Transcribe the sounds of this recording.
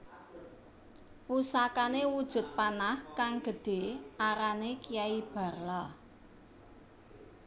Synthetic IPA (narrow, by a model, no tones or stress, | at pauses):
wusakanewud̥ʒ̥ʊ̤t̪̚panahkaŋɡ̥ə̤ɖ̥e̤ʔaɾanekijaib̥a̤rla